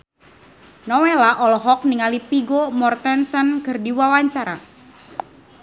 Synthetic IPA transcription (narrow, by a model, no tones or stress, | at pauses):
nɔwelaʔɔlɔɦɔk̚niŋalipiɡomɔrt̪ɛnsənkɨrdiwawaɲt͡ʃaɾa